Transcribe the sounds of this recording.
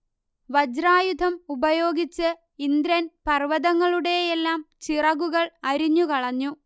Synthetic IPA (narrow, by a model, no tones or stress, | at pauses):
ʋɐd͡ʑɾaːjud̪ʱɐmubɐjo̞ːɡit͡ɕːɨ | ind̪ɾɐnpɐrʋɐðɐŋːɐɭuɽe̞jelːaːmt͡ɕirɐɣuɣɐɭɐɾiɲːukɐɭɐɲːu